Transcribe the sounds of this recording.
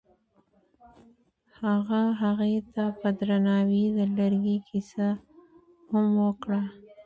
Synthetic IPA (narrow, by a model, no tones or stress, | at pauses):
haɣaɦaɣet̪apəd̪ɾanɑwid̪əlaɾɡikʰisa | hamwəkɽa